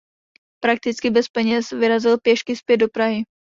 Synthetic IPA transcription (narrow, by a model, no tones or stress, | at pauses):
pɾak̚t̪ɪt͡skɪbɛspɛɲɛsvɪɾazɪlpjɛʃkɪspjɛd̪̚do̞pɾaɦɪ